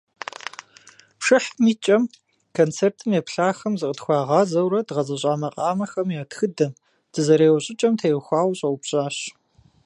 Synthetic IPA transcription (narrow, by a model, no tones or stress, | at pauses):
pʂɨħmiːt͡ʃʼɐm | kʰont͡sʰeːrtʰɨmjepɬaːxɐmzɨqʼətxʷɑːʁɑːzɐwɾɐdʁɐzɐɕʼaːmɐqʼɑːmɐxɐmjaːtxɨdɐm | d̥ɨzɐɾeːwɐɕʼɪt͡ʃʼɐmtʰeːwxʷɑːwɕʼɐwʊpɕʼaːɕ